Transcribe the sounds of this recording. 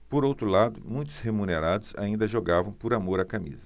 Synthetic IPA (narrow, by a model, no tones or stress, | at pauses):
poɾowt̪ɾʊlad̪ʊmũj̃t̪ʊ̥shemũneɾad̪ʊsa̰ĩnd̪ɐʒoɡavɐ̃w̃poɾamoɾakamḭzɐ